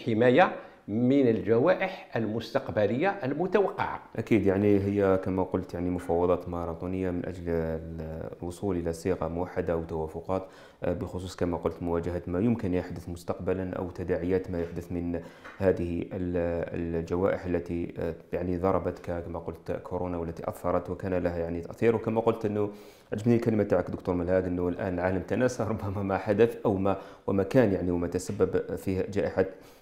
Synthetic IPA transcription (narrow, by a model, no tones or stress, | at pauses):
ħəmæja | mənəlʒæwæʔəħʔəlmʊst̪ɑqbæləjːaʔəlmʊt̪æwɑqːɑ̰ʕa̰ʔækid̪jaʕniɦəjːækæmæqʊlt̪jaʕnimʊfɑwːɑd̪ˤɑt̪mɑɾˤɑt̪ˤunəjːamənʔæ̰d͡ʒl | lwosˤuːlʔəlæsiːɣɑmʊwaħːad̪aʔwt̪awæfʊqɑt̪ | bəxʊs̬ˤuːskæmæqʊlt̪mʊwæd͡ʒəhat̪mæjʊmkənjəħd̪ʊθmʊst̪ɑqbalanʔæ̰wt̪æd̪aʕəjaːt̪mæjʊħd̪ʊθmənhaːd̪ɪhɪl̰ld͡ʒawa̰ːʔɪħalːat̪ijaʕnid̪ˤɑɾˤɑbɑt̪kakamaqʊlt̪kʰːʊɾoːnawalːat̪iʔa̰θhɑɾˤɑt̪wkaːnalaɦajaʕnit̪aʔθiːɾwkamaqʊlt̪ʔɪnːʊ | ʕad͡ʒabnilkalɪmat̪aʕakd̪ʊk̚t̪uːɾˤmalhaːɡʔənːʊlʔa̰ːnlʕaːlamt̪anaːsaɾˤʊbːamamaħad̪aθʔawmawmakaːnjaʕniwmat̪asabːabfiːhd͡ʒaːʔɪħa